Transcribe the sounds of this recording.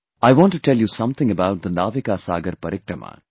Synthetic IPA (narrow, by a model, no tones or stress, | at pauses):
ajʋɔ̃ːnʈːuʈɛljusʌ̃mt̪ʰɪ̃ŋəbaʊʈ̚d̪ənaːʋikaːsaːɡɐɾpɐɾɪkɾɐma̰